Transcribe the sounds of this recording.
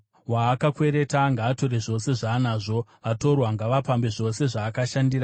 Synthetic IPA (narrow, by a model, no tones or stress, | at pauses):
waːkakwe̞ɾe̞taŋɡaːto̞ɾe̞ʐo̞se̞ʐanaʐo̞ʋato̞rwaŋɡaʋapambe̞ʐo̞se̞ʐaːkaʃandiːɾa